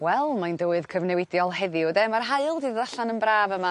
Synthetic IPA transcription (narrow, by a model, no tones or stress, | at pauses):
wɛlˠmajndowɨð̥kʰəvnɛwɪdjɔlˠhɛðɪɔdɛmarɦaɨlˠdʰiːððaɬanənbraːvəma